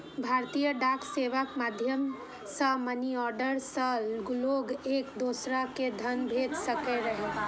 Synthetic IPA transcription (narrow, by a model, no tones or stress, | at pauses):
bʱaːɾt̪ijəɖaːkʰseːʋəkmaːd̪ʱjəm | səməniɔːɾɖəɾsəlɡʊloɡeːkd̪oːsɾaked̪ʱənbʱeːd͡ʒsəkeɾəɦe